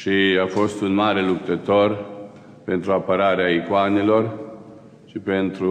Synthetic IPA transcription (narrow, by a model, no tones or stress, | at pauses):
ʃiafo̞st̪unmaɾe̞luk̚t̪ət̪o̞r | pe̞nt̪ɾuapəɾaɾeaikoanelo̞r | ʃipe̞nt̪ɾu